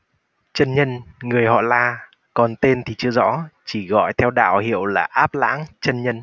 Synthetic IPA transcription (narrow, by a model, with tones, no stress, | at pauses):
t͡ɕə˧nɲə˧nŋɨ˨˩əjhɔ̰˧˨laː˨˩ | kɔ˨˩nt̪e˧nt̪ʰi˨˩t͡ɕɨ˧əzɔ̰˧˥t͡ɕi˧˩ɣɔ̰˧˨jt̪ʰɛ˧wɗa̰ː˧˨whḭ˧˨əwlaː˨˩ʔaː˦˥p̚la̰ː˧˥ŋt͡ɕə˧nɲə˧n